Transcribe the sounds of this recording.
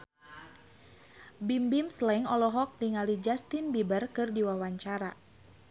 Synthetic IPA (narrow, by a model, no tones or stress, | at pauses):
bimbimslɛŋɔlɔɦɔk̚diŋalid͡ʒast̪inbibərkɨrdiwawaɲt͡ʃaɾa